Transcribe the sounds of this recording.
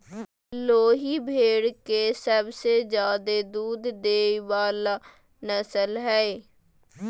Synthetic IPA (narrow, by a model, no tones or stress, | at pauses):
loːɦiːbʱeːɽkesəbsed͡ʒjaːd̪ed̪uːd̪ːeːʋaːlaː | nəsəlɦɛe